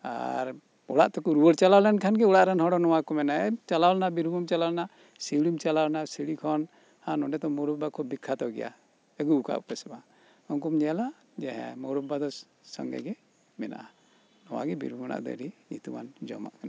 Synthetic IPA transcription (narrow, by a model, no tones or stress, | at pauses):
a̰ɾ | uɽaʔt̪ɔkuɾuwəɾt͡ʃalawlɛnkʰanɡɛuɽaʔɾanɦɔɽɔnɔwakɔmɛnaɛt͡ʃalawlnabiɾumɔmt͡ʃalawlna | siɽimt͡ʃalawlnasiɽikʰɔn | hãnɔɖɛt̪ɔmɔɾɔbbakʰɔbikʰːat̪ɔɡɛ̰ja̰ | əɡuuka̰ʔupɛsɛba | ɔŋkumd͡ʒɛla | d͡ʒɛɦɛ̰mɔɾub̚bad̪ɔ | sɔ̰ŋɡɛ̰ɡɛ | mɛna̰ʔa | nɔwa̰ɡɛbḭɾumana̰ʔd̪ɔ̰ɾiɲḭt̪uma̰nd͡ʒɔ̰ma̰ʔkana